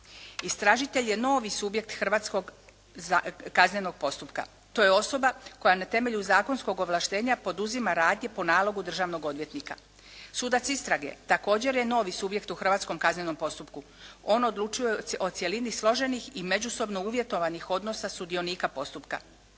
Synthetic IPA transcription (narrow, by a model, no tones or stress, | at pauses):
ist̪ɾaʒit̪e̞ʎje̞no̞ːʋisubje̞k̚t̪xr̩ʋaːt̪sko̞ɡ | zakazɲeno̞ɡ̥̚po̞st̪upka̰ | t̪o̞ːjeo̞so̞bako̞janat̪e̞me̞ʎuzaːko̞nsko̞ɡo̞ʋlˠaʃt̪e̞ːɲapo̞d̪uzimaɾaːd̪ɲe̞po̞naːlˠo̞ɡud̪r̩ʒaːʋno̞ɡo̞d̪ʋje̞t̪nika̰ | sud̪at̪sist̪ɾaɡe̞̰t̪ako̞ːd͡ʑe̞ɾje̞no̞ːʋisubje̞kt̪uxr̩ʋaːt̪sko̞mkazɲeno̞mpo̞st̪upku | o̞ːno̞d̪lˠut͡ʃujeo̞t̪sje̞linislˠo̞ʒenixime̞d͡ʑuso̞bnouʋjet̪o̞ʋanixo̞d̪no̞sasud̪io̞niːkapo̞st̪upka̰